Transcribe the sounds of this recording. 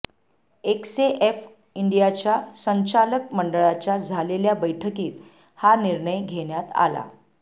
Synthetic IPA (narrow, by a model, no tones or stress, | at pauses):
ekseʔef | iɳɖijat͡ɕjasəɲt͡ɕalək̚məɳɖəɭat͡ɕjad͡zʱaleljabəjʈʰəkiːt̪ | haniɾɳəjɡʱeɳjat̪a̰la̰